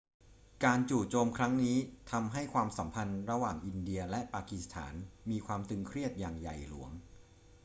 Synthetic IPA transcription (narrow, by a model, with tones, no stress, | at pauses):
kaː˧nt͡ɕuː˨˩t͡ɕoː˧mkʰɾa˦˥ŋniː˦˥t̪ʰa˧mɦa˥˩jkʰwaː˧msa˩˦mpʰa˧nɾa˧waː˨˩ŋʔi˧ndi˧ɐlɛ˦˥ʔpaː˧ki˨˩st̪ʰa̰ː˩˦nmiː˧kʰwaː˧mt̪ɯ˧ŋkʰɾi˥˩ət̪̚jaː˨˩ŋja˨˩jlṵ˩˦əŋ